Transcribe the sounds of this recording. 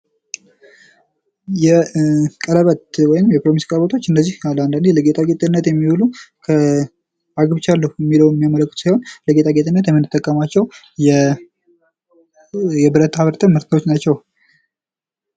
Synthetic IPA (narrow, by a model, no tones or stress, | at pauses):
jɛkʼələβət̪wɔjɪmjɛpɾomiskʼələβət̪ʰo̞t͡ʃːɨndəzːihalːəand̪ənd̪eləɡet̪ʼaɡet̪ʼɨnːət̪jɛmːiwulukʰə | aɡɨβt͡ʃalːəhujɛmːiləwnɛmːijamələkːɨt̪sajho̞nləɡet̪ʼaɡet̪ʼɨnːət̪jɛmːɨnːɨt̪ʼːəkʼːəmat͡ʃːɛw | jɛ | jɛbɨɾət̪aβɾt̪ʰɨmhɨɾt̪wot͡ʃːnat͡ʃːɛw